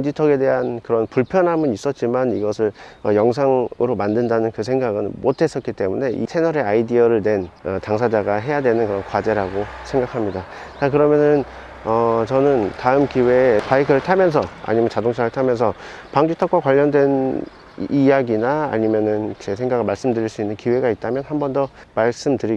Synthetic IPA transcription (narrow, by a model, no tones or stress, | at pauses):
ŋd͡ʑitʰʌɡe̞de̞ɦankɯɾʌnpuɭpʰjʌnɦamɯnis͈ʌt̚t͡ɕ͈imaniɡʌsʰɯɭʌjʌŋs̬ʰaŋɯɾomandɯndanɯnkɯs̬ʰe̞ŋɡaɡɯnmotʰe̞s͈ʌt̚k͈it͈e̞mune̞ʔḭsʰe̞nʌɾe̞aidiʌɾɯɭdwe̞nʌtaŋs̬ʰad͡ʑaɡaɦe̞jadwenɯnkɯɾʌnkwad͡ʑe̞ɾaɡosʰe̞ŋɡakʰamɲida | t͡ɕak̬ɯɾʌmjʌnɯn | ʌt͡ɕʌnɯntaɯmkiwe̞paikʰɯɾɯɭtʰamjʌns̬ʰʌa̰ɲimjʌnt͡ɕadoŋt͡ɕʰaɾɯɭtʰamjʌnsʰʌpaŋd͡ʑutʰʌkwakwaʎːʌndwe̞n | ijaɡinaa̰ɲimjʌnɯnt͡ɕes̬ʰe̞ŋɡaɡɯɭmaɭs͈ɯmdɯɾiɭs͈uinːɯnkiwe̞ɡait̚t͈amjʌnhambʌndʌ | maɭs͈ɯmtɯɾi